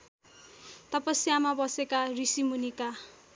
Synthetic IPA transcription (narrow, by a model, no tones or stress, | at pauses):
t̪ʌpʌsjamabʌsekarisimunika